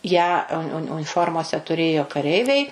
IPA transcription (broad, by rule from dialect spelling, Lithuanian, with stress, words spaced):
ˈjæː ʊn ʊn ʊnʲɪˈfoːrmoːsʲɛ tʊˈrʲeːjoː kɐˈrʲɛɪʋʲɛɪ